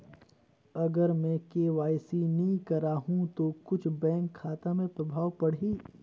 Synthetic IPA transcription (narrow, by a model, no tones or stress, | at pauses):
ɐɡəɾmɛ̃keːʋaːjsinɐĩkɐɾaːɦũt̪okʊt͡ʃʰbɛ̃ːŋkʰːaːt̪amẽpɾɐbʱaːwpɐɽiː